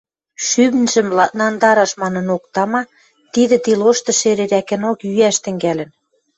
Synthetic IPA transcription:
ʃyβnʒə̆mlnɑnd̪ɑɾɑʃmɑnɤ̆nokt̪ɑmɑ | t̪iðĕt̪iloʃt̪ɤ̆ʃeɾeɾækɘ̆nokjyæʃt̪ɘ̆ŋɡælɘ̆n

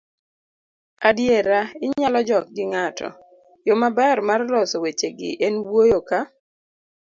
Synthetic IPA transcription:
adjeɾaɪɲalɔd͡ʒɔk̚ɡɪŋatʰɔ̰ | jomabɛrmarlɔsɔwet͡ʃeɡɪ̰ʔɛnwojoka

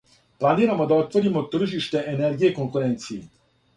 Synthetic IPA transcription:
planʲiːɾamod̪aot̪ʋoɾimot̪r̩ʒiʃt̪ɛʔɛnɛrɡijɛkoŋkuɾɛnt̪siː

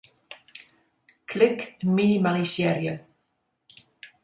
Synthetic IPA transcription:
kʰlɪkminimaʁisɛɾjə

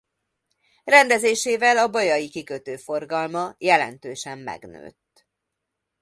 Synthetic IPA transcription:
rɛnd̪ɛzeːʃeːvɛlɒbɒjɒjikikøt̪øːfo̞rɡɒlmɒjɛlɛ̰nt̪øːʃɛmːɛ̰ɡnø̰ːt̪ː

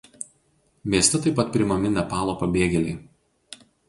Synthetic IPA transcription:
mʲeːsʲt̪ʲɛt̪ɐɪpɐt̪̚pʲɾʲɪmɐmʲɪnɐpɑːlˠoːpɐbʲeːɡʲɛlʲɛɪ

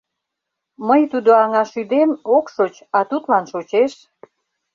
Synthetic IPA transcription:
məjt̪ud̪oɑŋɑʃyd̪emokʃot͡ɕɑt̪ut̪lɑnʃot͡ɕeʃ

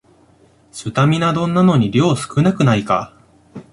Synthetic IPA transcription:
ɕɨt̪amʲinad̪õ̞nːano̞ɲ̟iɾʲjo̞ːsɨ̥kɯ̟nakɯ̟naika̰

